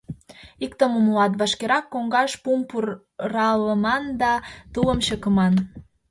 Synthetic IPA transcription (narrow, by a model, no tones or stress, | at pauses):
ik̚t̪əmumulɑt̪̬βɑʃkeɾɑkːoŋɡɑʃpumpur | rɑləmɑnd̪ɑt̪uəmɕəkə̆mɑn